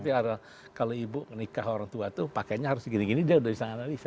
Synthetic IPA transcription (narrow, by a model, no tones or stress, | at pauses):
t̪iada | kaloibʊŋənikaɦoɾaŋt̪uat̪upakaɲaɦaɾʊsɡiniɡinidaudaisaŋanalisa